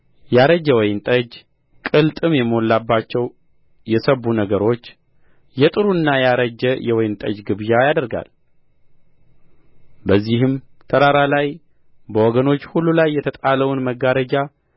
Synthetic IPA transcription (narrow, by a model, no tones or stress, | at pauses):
jaɾəd͡ʒːɛwɔjnt̪ʼəd͡ʒ | kʼɨlt̪ʼɨmjɛmo̞lːabːat͡ʃːɛw | jɛsəβunəɡəɾo̞t͡ʃː | jɛt̪ʼɨɾuɨnːajaɾəd͡ʒɛjɛwɔjnt̪ʼəd͡ʒɡɨβjajad̪əɾɡa̰l | bəzːihɨmt̪ʰəɾaɾalaj | bəwɔɡəno̞t͡ʃːhulːulajːɛt̪ʰət̪ʼaləwʊnməɡaɾəd͡ʒa